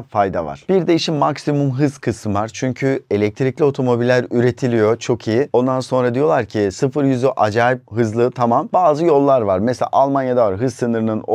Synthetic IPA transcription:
fajd̪a̰va̰ɾ̥b̥iɾd̪ejiʃimːaksimumɦɯzkʰɯsmvaɾt͡ʃʰyɲcʰye̞lʲɛc̚t̪ʰɾiclʲio̞t̪ʰo̞mo̞bilʲːæɾyɾe̞t̪ʰilʲijo̞t͡ʃʰo̞kʰijio̞nd̪anso̞nɾad̪ijo̞lˠaɾcʰisɯfɯɾjyzyʔad͡ʒaːip̚ɦɯzlˠɯt̪ʰamambaːzɯjo̞lˠːaɾvaɾmeselʲa̰ʔalˠmanjad̪avaɾɦɯzsɯnɯɾɯnɯno

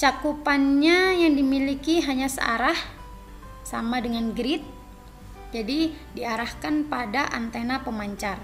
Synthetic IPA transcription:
t͡ʃakupanɲajaŋdimilikiɦaɲasə̰a̰ɾah | sa̰madəŋanɡɾɪt̪̚ | d͡ʒadi | diaɾahkanpadaʔant̪enapəmaɲt͡ʃar

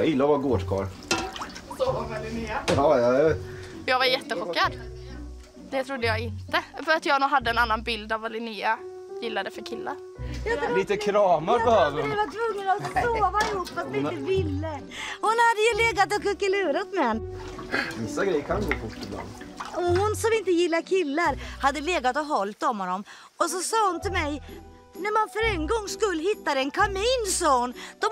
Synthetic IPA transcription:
ɑjɪlːaɾvɑɡoːɖkʰɑ̰ːɾ | ɛhɑjɑ | jɑːɡvaɾjɛt̪ːəɧɔkːad̪ | d̪̥ɛt̪ʰɾʊd̪ːəjɑːɡɪnt̪əfœɾat̪jɑːɡnuːɡɦad̪ːəɛnanːanbɪld̪avalɪniːa | jɪlːad̪əfœɾkʰɪlːa̰ɾ | jaliːt̪əkʰɾɑːmaɾbɛhøːvəɾvat̪ʰvɵŋːənasoːvaɪhupːfat̪mɪɪt̪əvɪlːə | hʊnhad̪ːəjɵleːɡat̪ɔkɵkːəlʉ̟ːɾat̪mɛɛn | vɪsːaɡɾɛjəɾkʰanɡoːfʊʈːɪbla̰nd̪ɔhʊnsɔmɪnt̪əjɪlːaɾkʰɪlːaɾhad̪ːəleːɡat̪ɔɦɔlt̪ɔmhɔnːɔm | ɔs̬ɔsɑːhʊnt̪ʰɪlmɛj | næɾmanfœɾɛŋɡɔŋːskɵlːɦɪt̪ːad̪ɛɛnkʰamiːnsond̪̥ɔ

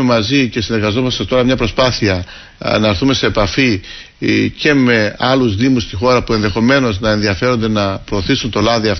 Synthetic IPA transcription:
emɐzice̞sine̞ɾɣɐzo̞mɐst̪ɐt̪o̞ɾɐmɲɐpɾo̞spɐθiɐ | nɐeɾθume̞se̞ːpɐfi | ce̞me̞ɐluzðimust̪ixo̞ɾɐpue̞nðe̞xo̞me̞no̞znɐe̞nðiɐfe̞ɾo̞nd̪e̞nɐpɾo̞ːθisunt̪o̞lɐðiɐf

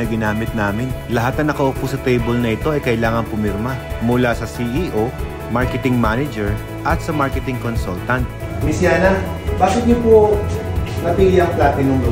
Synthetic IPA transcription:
ɐɡɪnaːmɪt̪̚naːmɪnlɐɦat̪̚nɐŋnɐkɐʔopusɐt̪ɛjbɛlnɐʔɪt̪o̞ʔɐjkɐʔɪlaːŋɐŋpʊmɪɾmɐmʊlasɐsiʔiʔo | maɹkɛt̪ɪŋmanɛd͡ʒɛɹ | ʔɐt̪̚sɐmaɹkɛt̪ɪŋkonsult̪ɐnt̪̚ | mɪsjaːnabaːkɪt̪ɲopo | mɐpɪlɪjɐŋplaːt̪ɪnɐŋd̪o

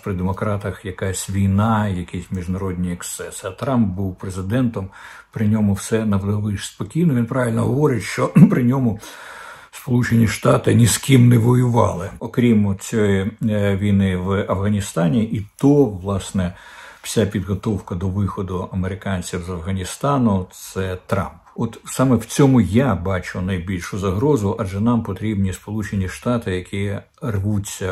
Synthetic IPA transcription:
pɾɪd̪emɔkɾɑt̪ɐxjɐkɑsʲʋʲijnɑjɐkʲisʲmʲiʒnɐɾɔd̪ʲnʲijɛkst̪sɛsɐt̪ɾɑmb̚buwpɾezɪd̪ɛnt̪ɔmpɾɪnʲɔmʊwsɛnɐʋd̪ɔʋɪʃspɔkʲijnɔʋʲinpɾɑʋilʲnɔɦɔʋɔɾʲɪtʲʃt͡ʃɔpɾɪnʲɔmʊ | spɔlˠut͡ʃenʲiʃt̪ɑt̪ɪnʲiskʲimnɛʋɔjʊʋɑlˠɪɔkɾʲimt͡sʲɔjiʋʲijnɪʋɐfɣɐnʲist̪ɑnʲiʔit̪ɔʋlˠɑsnɛ | w̥sʲapʲid̪ɦɔt̪ɔwkɐd̪ɔʋɪxɔd̪ʊɐmeɾɪkɑnʲt͡sʲiwzɐfɣɐnʲist̪ɑnʊt̪sɛt̪ɾɑ̰mpɔt̪sɑmɛwt͡sʲɔmʊjabɑt͡ʃʊnɐjbʲilʲʃʊzɐɦɾɔzʊʔɐʒɛnɑmpɔt̪ɾʲibnʲispɔlˠut͡ʃenʲiʃt̪ɑt̪ɪjɐkʲʰi | rʋut͡sʲːɐ

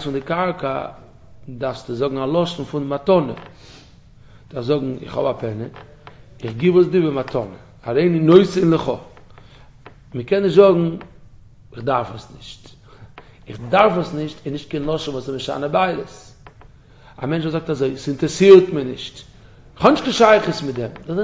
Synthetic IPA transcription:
sfɪndɪkaɾkʰə̰ | daɾfstɪzɔɡŋ̩alˠɔʃn̩fʊndɪmatɔnə̰ | d̥aɾfzɔɡŋ̩ɪ̰χhɔ̰bapʰɛnə | ɪχɡɪbos̬dibɪmatʰɔnə | aɾeɪnɪnoɪsɪnlˠɪχɔ | məkɛnːɪʃtzɔɡŋ̩ | ɪχdaɾfəsnɪʃt | ɪχdaɾfəsnɪʃtɪnɪʃt̚kɛɪnlˠɔʃn̩vuːsɪmɪʃa̰nəbaɪlˠəs | amɛnt͡ʃvozɔk̚tazoɪsɪntɾəsiːɾtmənɪʃt | ɪχhɔnɪʃtkɪnʃaɪχəsmɪt̚dɛmdɔs

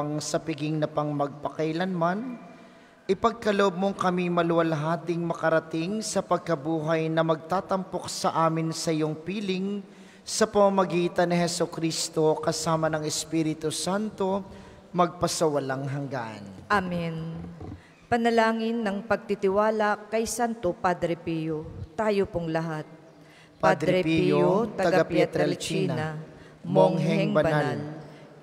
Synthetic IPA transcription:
ɐŋsɐpɪɡɪŋnɐpɐŋmɐɡ̚pɐkɐjlɐnman | ʔɪpɐɡ̚kɐloʔob̚mo̞ŋkɐmimɐlʊwɐlɦaːt̪ɪŋmɐkɐɾɐt̪ɪŋsɐpɐɡ̚kɐbuːɦɐjnɐmɐɡ̚t̪aːt̪ɐmpo̞k̚sɐʔaːmɪnsɐʔɪjoŋpiːlɪŋ | sɐpɐmɐmɐɡiːt̪ɐnɪɦɛsokɾist̪o̞kɐsaːmɐnɐŋɛspiːɾɪt̪usant̪o̞ | mɐɡ̚pɐsɐwɐlaŋɦɐŋɡaʔɐ̰nʔamɪn | pɐnɐlaːŋɪnːɐŋpɐɡ̚t̪it̪ɪwaːlɐkɐjsant̪opad̪ɾɛpijot̪aːjopoŋlɐɦat̪̚ | pad̪ɾɛɛpjoot̪ɐɐɡaapɛt̪ɾɛlt͡ʃːinɐɐ | moŋɦɛɛŋbɐnbnall

